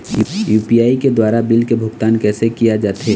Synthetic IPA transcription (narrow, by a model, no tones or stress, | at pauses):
juːpijaːiked̪waːɾabɪlkebʱʊɡt̪aːnkɛːsekijad͡ʒaːt̪ɦe